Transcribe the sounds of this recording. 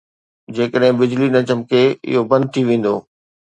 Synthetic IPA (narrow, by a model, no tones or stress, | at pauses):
d͡ʑeːkəɗɦɪ̃bɪd͡ʑlinɐt͡ɕəmkʰeːɪ̰ɦobɐ̃nd̪̚t̪ʰiʋẽːn̆d̪oː